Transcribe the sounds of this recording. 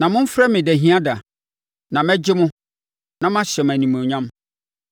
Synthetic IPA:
nã˨mʊ̃˦m̩˦fɾa˦mɪ̃˨dæ˨ɦĩ˦ã˦da˨ | nã˨mɛ˦d͡ʑɪ˦mʊ̃˦ | nã˦m˦ã˦ɕɛ˨m˨æ̃˨nĩ˨mũ˨ɲã˦m

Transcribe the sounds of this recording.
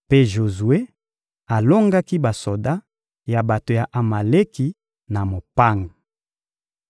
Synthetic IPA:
pe˦ʒo˨zu˨e˦ | a˨lo˦ŋɡa˦ki˦ba˨so˨da˦ | ja˨ba˨to˨ja˨ʔa˨ma˨le˦ki˨ | na˨mo˨pa˦ŋa˨

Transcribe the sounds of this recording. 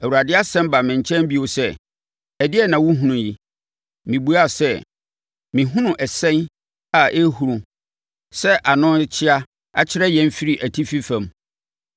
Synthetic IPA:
æ˨u˨ɾa˨dɪ˦a˦sɛ̃˦mba˨mɪ̃˨ɲ˨t͡ɕʰɛ̃˦m˦bi˦o˨sɛ˦ | ɛ˨dɪ˦ɛ˦nã˨wʊ̃˦ɦũ˦nʊ̃˨ji˦ | mĩ˨bu˨˦a˦˨sɛ˦ | mĩ˨ɦʊ̃˦nʊ̃˨ʔɛ˨sɛ̃˦n | a˨ʔe˦hu˨ɾũ˨ | sɛ˦ʔa˨nʊ̃˦t͡ɕʰɪ˦a˦ | a̰˦t͡ɕʰɪ˦ɾɛ˦jɛ̃˨m˦fi˦ɾi˨ʔæ˨tʰi˦fi˦fã˨m

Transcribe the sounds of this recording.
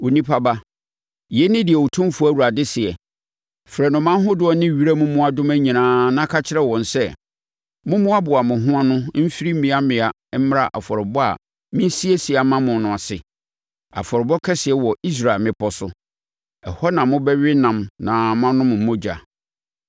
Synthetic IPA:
o˨nĩ˦pʰa˦ba˦ | jɛ˦nɪ̃˦dɪ˨ɛ˨wo˨tʰʊ̃˦mfu˦æ˦˨wu˨ɾa˨dɪ˦sɪ˨ɛ˨ | fɾɛ˨nʊ̃˨mã˦ɦʊ̃˦dʊ˦ɔ˦nɪ̃˦˨ɥi˦ɾa˦mʊ̃˦mʊ̃˦a˨dʊ̃˦mæ̃˦ɲĩ˨nãː˨˦nã˦kʰa˦t͡ɕʰɪ˦ɾɛ˦wɔ̃˨n˨sɛ˦ | mʊ̃˦mʊ̃˦a˦bʊ˨a˨mʊ̃˨ɦʊ̃˦ã˦nʊ̃˦m̩˦fi˦ɾi˦mĩ˨˦a˦mɪ̃˨a˨˦m̩˦m˦ɾa˦˨ʔa̰˨fɔ˨ɾɪ˨bɔ˦a̰˨ | mɪ̃˦n˦si˦e˦si˨a˨mã˦mʊ̃˨nʊ̃˨a˨sɪ˨ | a̰˨fɔ˨ɾɪ˨bɔ˦kʰɛ˦sɪ˨ɛ˦wɔ˨i˦s̬ɾa˨lmɪ̃˦pʰɔ˦sʊ˦ | ɛ˨hɔ˦nã˨mʊ̃˦bɛ˦ɥɪ˦nã˨mnã˨m˦ã˦nʊ̃˦mʊ̃˨m̩˨mʊ̃˦d͡ʑa̰˨

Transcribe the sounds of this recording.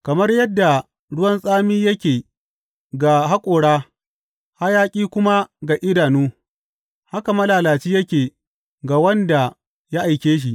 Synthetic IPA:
kɐ˨mɐ˦rjɐ˦dːa˨ | ɽʊ˦wɐ˦nsʼaː˦miː˦jɐ˦kʲeː˨ | ɡa˨ɦa˦kʷʼoː˨ɽaː˦ | ha˦jaː˦kʲʼiː˦kʷʊ˦ma˦ɡa˨ʔɪ˦daː˨nuː˦ | ha˦ka˨mɐ˦laː˨laː˨t͡ʃiː˦jɐ˦kʲeː˨ | ɡa˨wɐ˦nda˨ | ja˦ʔa˨jkʲeː˦ʃ̬i˨ʔ

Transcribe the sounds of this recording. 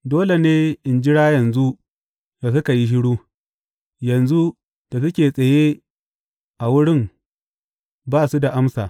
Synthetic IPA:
doː˦le˨neː˦ʔɪ˨nd͡ʒɪ˦ɽaː˦jɐ˨nzu˦ | jaː˨s̬ʊ˦ka˨ji˦ʃ̬ɪ˦ɽuː˦ | jɐ˨nzu˦ | d̥a˨s̬ɐ˦kʲeː˨sʼɐ˨je˦ | ʔa˨wʊ˦ɽɪ˦m | baː˦˨su˦da˨ʔa˦msaː˨

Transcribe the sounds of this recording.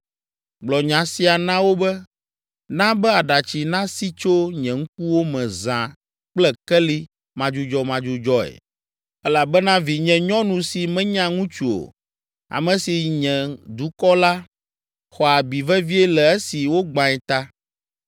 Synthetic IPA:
ɡ͡blɔ˨ɲã˨si˨a˨nã˦wo˦bɛ˦ | nã˦bɛ˦a˨ɖa˨t͡ɕi˨nã˦si˦t͡ʃo˦ɲɛ̃˨ŋ̩˦k̚u˦wo˦mɛ̃˨zã˨ | k͡plɛ˦kɛ˦li˦ | mã˨d͡ʒu˦d͡ʒɔ˦mã˦d͡ʒu˦d͡ʒɔ˦ɛ̰˨ | ɛ˦la˨bɛ˦nã˦vi˨ɲɛ̃˨ɲɔ̃˦nũ˨si˨mɛ̃˦ɲã˦ŋũ˦t͡ʃu˨o̰˨ | a̰˨mɛ̃˨si˨ɲɛ̃˨d̪u˨˦kɔ˦la˦ | xɔ˨a˨bi˨vɛ˦vi˦ɛ˦lɛ˨ɛ˦si˨wo˦ɡ͡bã˨ɛ˨t̪a˦

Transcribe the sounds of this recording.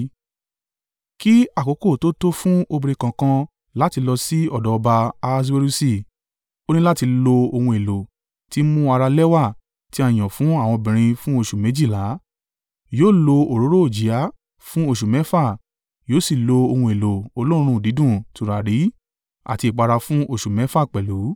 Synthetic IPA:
ki˦a˦˨ko˨˦ko˦˨to˦to˦fũ˦o˧bi˧ɾe˧kã˨kã˧ | la˦ti˧lɔ˧si˦ɔ˦˨dɔ˨˦ɔ˧ba˧a˧s̬we˧˦ɾu˦si˦˨ | o˦nĩ˦la˦ti˧lo˧o˧hũ˧e˨lo˨ | ti˦mũ˦a˧ɾa˧lɛ˦wa˦˨ | ti˦a˦˨j̃ɔ̃˨fũ˨˦a˦˨w̃ɔ̃˧bĩ˨ɾ̃ĩ˧fũ˦o˦˨ʃu˨mẽ˨˦d͡ʒi˦˨la˨˦ | joː˦˨lo˧o˨ɾo˨˦ɾo˦o˦˨d͡ʒi˨˦a˦ | fũ˦o˦˨ʃu˨mɛ˨˦fa˦˨ | joː˨˦si˦˨lo˧o˧hũ˧e˨lo˨o˧lo˦ɾ̃ũ˧˨di˨˦dũ˦˨tu˨ɾa˨ɾi˨˦ | a̰˨ti˧i˨k͡pa˧ɾa˧fũ˦ʔo˦˨ʃu˨mɛ˨˦fa˦˨k͡pɛ˨lu˨˦

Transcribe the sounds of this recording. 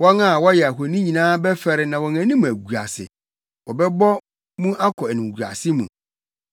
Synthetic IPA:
wɔ˦ŋa˦˨wɔ˦jɛ˨a˨ɦo˨nĩ˦ɲĩ˨nãː˦bɛ˦fɛ˦ɾɪ˨nã˨wɔ˨ŋæ̃˨nĩ˦mũ˨æ˨ɡu˨a̰˨sɪ̰˨ | wɔ˨bɛ˦bɔ˦ | mũ˦ʔa˦kʰɔ˨æ˨nũ˨ɡu˨a̰˨sɪ˦mṵ̃˨

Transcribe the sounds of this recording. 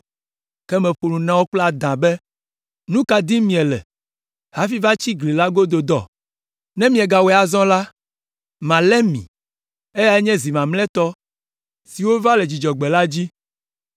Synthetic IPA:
kɛ˦mɛ̃˨ɸu˨nũ˨nã˦wo˦k͡pla˦˨d̪ã˨bɛ˦ | nũ˦ka˨d̪ĩ˦mĩ˨ɛ˨lɛ̰˨ | ha˦fi˦va˦t͡ɕi˦ɡli˨la˦ɡo˦d̪o˨d̪ɔ˨ | nɛ̃˦mĩ˦ɛ˨ɡa˨wɛ˨˦a˨zɔ̃˦la˦ | mã˨lɛ˦mḭ̃˨ | e˦ja˦ɛ˦ɲɛ̃˦zi˨mã˨mlɛ̃˦t̪ɔ˦ | si˨wo˦va˦lɛ˨d͡ʑi˨d͡ʒɔ˨ɡ͡bɛ˨la˦d͡ʑi˦

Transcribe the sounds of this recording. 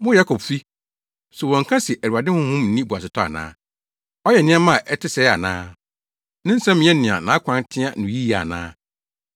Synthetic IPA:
mʊ̃˦ja˦kʰɔ˨bfi˦ | sʊ˨wɔ̃˨ŋ̩˨kʰã˦sɪ˨ʔæ˨ɾu˨a˨dɪ˦hʊ̃˦hʊ̃˦m̩ː˨˦nĩ˦bu˨a˨sɪ˨tʰɔ˦a̰˨nã̰ː˦ | ɔ˦jɛ˨nɪ̃˦ɛ˦mã˦˨ʔɛ˦tʰɪ˦sɛ˨˦a̰˨nãː˦ | nɪ̃˦n̩˦sɛ̃˦mɪ̃˨ɛ˦nɪ̃˨a̰˨nãː˨˦kʷʰã˦ntʰɪ̃˦a̰˦˨nʊ̃˨ji˦a˨nã̰ː˦

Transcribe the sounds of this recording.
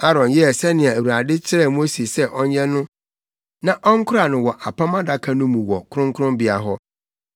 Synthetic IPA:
a˦ɾɔ̃˨njɛ˦˨sɛ˦nɪ̃˨a˨æ˨wu˨ɾa˨dɪ˦t͡ɕʰɪ˦ɾɛ˦˨m̃˦o˦se˨sɛ˦ʔɔ˦ɲɛ̃˦nʊ̃˦ | nã˨ʔɔ˦ŋ̩˦kʰʊ˦ɾa˨nʊ̃˨wɔ˨ʔa˨pʰã˦mã˦da˦kʰa˦nʊ̃˦mũ˨wɔ˨kʰʊ˦ɾʊ̃˦ŋkʰʊ˦ɾʊ̃˦mbɪ˨a̰˨ɦɔ˦

